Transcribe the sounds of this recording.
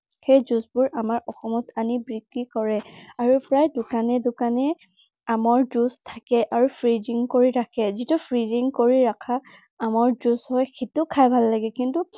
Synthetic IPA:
xejzusbʊɹʔamaɹɔxɔmɔtanibɹikːikɔɹɛaɹupɹajdʊkanɛdʊkanɛ | amɔɹdustʰakɛʔaɹupʰɹidiŋkoɹiɹakʰɛzitupʰɹidiŋkoɹiɹakʰaː | mɔɹdusɦɔjxitʊkʰajbʱalːaɡɛkintu

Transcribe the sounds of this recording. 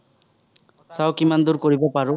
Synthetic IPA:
sawkimand̪uɾkɔɾibɔpaɾu

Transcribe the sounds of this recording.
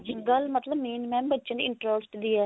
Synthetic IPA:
d͡ʒɪɡəlmət̪ləbmiːnmɛ̃ːbətːʃãnd̪iɪɳʈɾəsʈd̪iːɛː

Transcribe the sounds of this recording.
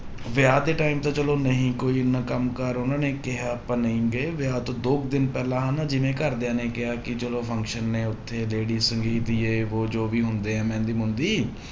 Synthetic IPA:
ʋɪaːd̪eːʈaːimt̪ãːt͡ʃəloːnəɦĩːkoːiːɪnːãːkəmkəɾʊnãːneːkɪɦaːpə̃ːnəĩːɡəeːʋɪaːt̪õːd̪oːɡ̚d̪ɪnpɛːlãːɦanaːd͡ʒɪʋẽːkəɾd̪ɪjãːneːkɪɦaːkɪt͡ʃəloːpʰə̃ŋkʃənːeːʊt̪ʰːeːleːɖiːsəŋɡiːd̪iːeːʋoːd͡ʒoːʋiːɦʊ̃nd̪eːɦɛ̃ːmɛ̃ːnd̪iːmʊ̃nd̪iː

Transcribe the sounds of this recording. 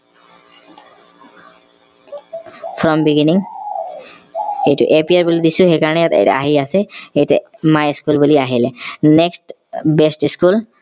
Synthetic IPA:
fʰɹɔmbiɡiniŋ | ejʈṵʔepiaɹbulid̪isuxekaɹɔnejat̪ḛjtɛ̰a̰ɦiasɛejʈɛmajiskulbuliaɦilɛneksʈ | besʈiskul

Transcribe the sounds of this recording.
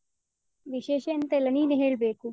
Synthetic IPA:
ʋiɕeːʃeːnt̪ɐilɐniːneɦeːɭbeːku

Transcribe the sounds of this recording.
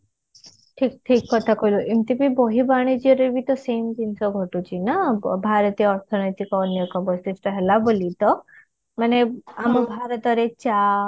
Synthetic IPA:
ʈʰik̚ʈʰikːɔt̪ʰakojluʔimt̪ibibɔɦibaɽ̃ed͡ʒiɔɾebʱit̪ɔseːmd̪insɔɡʱɔʈut͡ʃʰinabʱaːɾət̪iɔɾt̪ʰɔnɔjt̪ikɔːnjɔkɔbɔsisʈəɦɛlabolit̪ɔ | maneambʱaːɾət̪ɔɾet͡ʃa

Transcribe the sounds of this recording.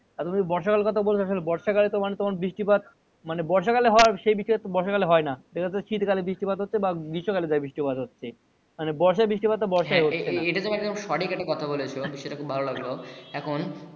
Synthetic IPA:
aɾt̪umibɔɾʃakalekɔt̪ʰabolt͡ɕʰoaʃolebɔɾʃakalet̪omanet̪omaɾbɾiʃʈipad̪̚ | manebɔɾʃakaleɦɔoaɾʃejbiʃɔet̪obɔɾʃakaleɦɔenad̪ekʰaʃit̪kalebɾiʃʈipad̪ʱɦotːɕʰebaɡiʃokaled͡ʑajbiʃʈipad̪ɦotːɕʰe | manebɔɾʃabɾiʃʈipad̪̚t̪ːabɔɾʃaeɦoeaejʈad͡ʑomɛɡd̪omʃɔʈikɛk̚ʈːakɔt̪ʰabolet͡ɕʰobiʃːɔeʈakʰubʱalolaɡloɛkʰon

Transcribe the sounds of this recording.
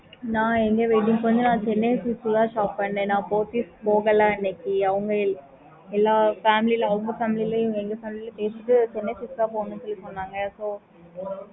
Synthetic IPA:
nãːɛŋɡeʋeɪʈ̬ːiŋɡkoɲd͡ʒõnãːt͡ʃɛnːeːsɪksɡaːʃaːpːɐɳɖeːnãːpoːt̪iːspoːɣɐlːaːɪnːekːiɐʋɐŋɡɐ | ɛlːaːfaːmɪlilɐʋɐŋɡɐfaːmɪlileɛŋɡeːfaːmɪlilɐpeːsiʈːɯt͡ʃɛnːesɪsɡaːpoːnɐ̃nt̪ɔlːitoːnːaːŋɡɐsoː

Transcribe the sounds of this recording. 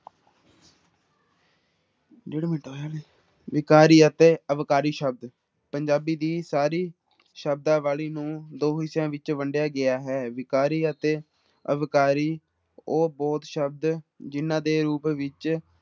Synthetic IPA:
d͡ʒeːɽemɪɳʈoːaːleː | ʋɪkaːɾiːət̪eːəʋkaːɾiːʃəb̚d̪ | pəɲd͡ʒaːbiːd̪iːsaːɾiː | ʃəbd̪ãːʋaːliːnũːd̪oːɦɪsjãːʋɪt͡ʃʋəɳɖjaːɡɪaːɦɛːʋɪkaːɾiːət̪eː | ə̰ʋkaːɾiː | oːbɔːt̪ʃəb̚d̪d͡ʒɪnːãːd̪eːɾuːpʋɪt͡ʃ

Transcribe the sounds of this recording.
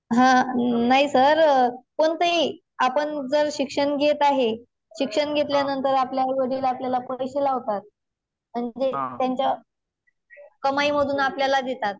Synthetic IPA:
ɦãnaɦisəɾpəɳt̪əɦi | apəɳd͡zəɾɕikʂəɳɡʱet̪aɦe | ɕikʂəɳɡʱet̪ljanənt̪əɾapljaʋəɽilaapljalapəjɕelaɦot̪at̪̚ | m̤əɳd͡zet̪jaɲt͡ɕja | kəmaiməd̪ʱuːnapljalad̪et̪at̪̚

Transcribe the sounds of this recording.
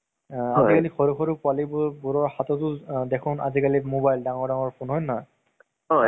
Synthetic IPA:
aikalixɔɹukʰɔɹupʊalibbuɹɔɹxatɔtʊdɛkʰʊna̰zikalimobajldaŋɔɹdaŋɔɹpʰunɦɔjnɔj | ɔ

